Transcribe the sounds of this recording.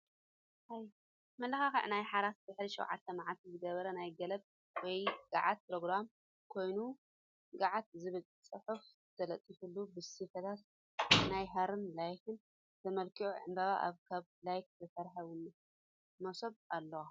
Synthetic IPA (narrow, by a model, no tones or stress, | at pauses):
haj | mɐlɐxaxɨ̰ʕnajħaɾaszɨħliʃɛ̰wʕa̰t̪ʰːɐmaʕat̪ʰizɨɡɐβɐɾɐnajɡɐlɐb̚ | wɔjɡ̥a̰ʕat̪̚pɾoɡɾam | kʰo̞jnu | ɡaʕat̪̚zɨβɨl | t͡sʼɨħuf | t̪ʰɐlɐt̪ʼːifulːubɨsifɐt̪ʰat̪ | najɦɐɾɨmlajkɨn | t̪ʰɐmɐlkʰiʔṵʕɨ̰mbaβaʔa̰βkʰaβlajk̚zɐsɐɾħɐwun | mɐsoβ̚alːɐwa